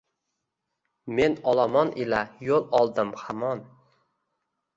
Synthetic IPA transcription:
me̞nɒlˠamɒnʔɪlajolˠɒlˠd̪ɪmhamɒn

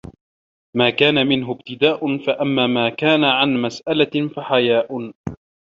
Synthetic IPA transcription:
maːkaːnamɪnɦʊbt̪ɪd̪aːʔʊnfaʔamːaːmaːkaːnaʕanmasʔalafaħajaːʔ

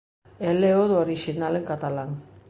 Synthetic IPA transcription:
eleoðooɾiʃinaleŋkat̪alan

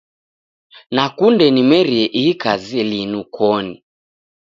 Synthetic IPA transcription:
nakundɛnimɛɾiɛʔiikaziɛlinukʰɔni

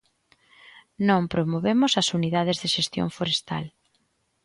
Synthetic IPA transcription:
nõmpɾomoβemʊsɐsuniðað̞ezðeʃest̪jo̰ŋfoɾest̪a̰l

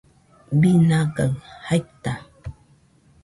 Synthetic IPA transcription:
binakaŋhajt̪a

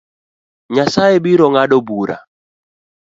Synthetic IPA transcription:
ɲasaɛɓiɾɔŋaɗɔbuɾa̰

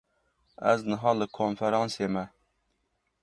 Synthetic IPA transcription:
ɛznɨɦɑːlɨkʰonfɛɾɑːnseːmɛ

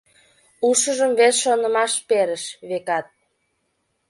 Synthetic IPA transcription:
uʃəʒəmβesʃonəmɑʃpeɾəʃβekɑt̪̚

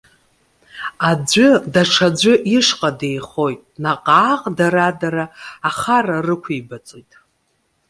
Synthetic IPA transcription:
ad͡ʒʷʊdaʈ͡ʂʰad͡ʒʷʊʔiʂqʼade̞jχo̞jtʼnaqʼaːqʼdaɾadaɾaːχararɨkʷʰibat͡sʼojtʼ

